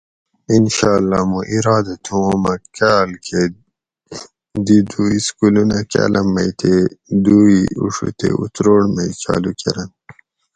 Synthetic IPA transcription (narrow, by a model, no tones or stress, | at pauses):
inɕɑːlːamuʔiɾaːd̪at̪ʰuomɐkaːlkʰe | d̪id̪uiskulunaka̰ːlɐmːɐjt̪ʰed̪uiṵʂṵt̪ʰḛṵt̪ɾoːɽmɐjt͡ɕa̰ːlukeɾɐn